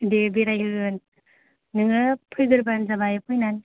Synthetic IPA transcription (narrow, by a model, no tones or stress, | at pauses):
debiɾajɯɯn | nɯŋɯpʰɯjɡɯɾbanzabajɯpʰɯjnan